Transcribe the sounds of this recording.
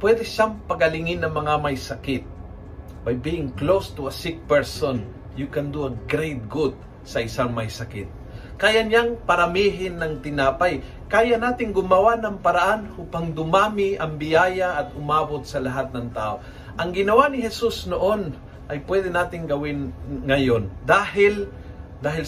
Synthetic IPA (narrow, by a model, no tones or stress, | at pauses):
pwɛd̪ɛʃaŋpɐɡɐlɪŋɪnːɐŋmɐŋamɐjsɐkɪt̪̚ | bɐjbiːɪŋklost̪ʊɐsɪk̚pɛɹson | jʊkɐnd̪uɐɡɾejt̪̚ɡud̪̚ | sɐʔɪsaŋmɐjsɐkɪt̪̚ | kaːjaɲaŋpɐɾɐmiːɦɪnːɐŋt̪ɪnaːpaj | kaːjanaːt̪ɪŋɡʊmɐwanɐŋpɐɾaʔanhupaŋd̪ʊmaːmɪʔɐŋbɪjaːjaʔːt̪̚ʊmaːbot̪̚sɐlɐɦat̪̚nɐŋt̪a̰ːʔo | ʔɐŋɡɪnɐwanɪɦɛsusnoʔon | ʔɐjpwɛd̪ɛnaːt̪ɪŋɡɐwɪnŋɐjond̪aːhɪl | d̪aːɦɪl